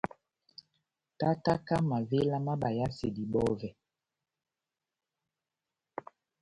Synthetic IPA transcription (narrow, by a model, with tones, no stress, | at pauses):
ta˦ta˦ka˦ma˨ve˦la˦ma˦ɓa˨ja˦se˨di˨ɓɔ˦vɛ˨